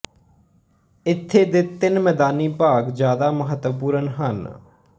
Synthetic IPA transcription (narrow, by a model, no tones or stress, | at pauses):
ɪt̪ʰːeːd̪ɪt̪ɪnmɛːd̪aːniːpaːɡd͡ʒjaːd̪aːməɦət̪puːɾənɦən